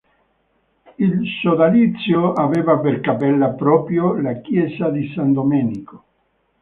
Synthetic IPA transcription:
ilsod̪alit̪sːjoaveːvaperkapɛlːapɾɔːpɾjolakjɛːsad̪isand̪omɛːniko̥

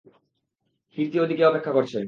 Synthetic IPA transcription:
hiɾt̪iod̪ʱikeɔpekʰːakoɾt͡ɕʰen

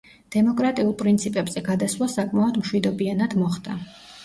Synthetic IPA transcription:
d̪̥ɛmɔkʼɾat̪ʼiulˠpʼɾint̪sʰipʼɛbz̥ɛɡad̪aswlˠasakʼmaɔd̪mʃwid̪ɔbianad̪mɔχd̪a

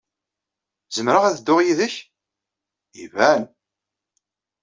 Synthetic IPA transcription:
zəmɾəʁæðəd̪ːʊʁjiðəç | ivæn

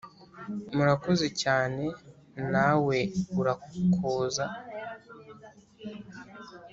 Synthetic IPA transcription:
muɾako̞zecaːne̞ | nawe̞uɾakʰoːza

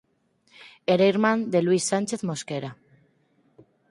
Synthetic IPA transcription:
eɾejɾmand̪e̞lwisːant͡ʃe̞θmo̞skeɾa

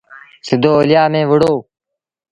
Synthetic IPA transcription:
sɪd̪ʱoːoːlɪjaːmẽːʋəɽoː

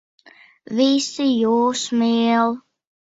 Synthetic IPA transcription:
viːsijoːsmeːlˠ

